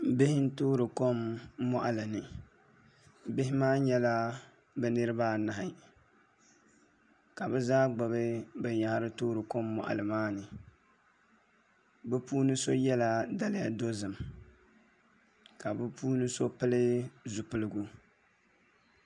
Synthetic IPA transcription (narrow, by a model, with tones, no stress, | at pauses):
be˦hɪ˦n̩˦toː˦ɾɨ˨ko˦mːɔ˦ʔa˨lɨ˨nɨ˨ | bɪ˦ɦɪ˦maː˦ɲɛ˦la˦ | bɛ˦nɨ˦ɾɨ˦baː˦na˨ɦɪ˨ | ka˨bɛ˦zaː˦ɡ͡ba˨bɨ˦bɨ˨ɲa˨ha˦ɾɨ˦toː˦ɾɨ˨ko˦mːɔ̰˨ʔa̰˨lɨ˨maː˦nɨ˨ | bɛ˦puː˦nɨ˦so˦jɛ˦la˨da˨lɪ˦ja˨do˦zɨ˨m | ka˨bɨ˦pʰuː˦nɨ˦so˦pɨ˦lɨ˦zu˨pɨ˦lɨ˦ɡu˦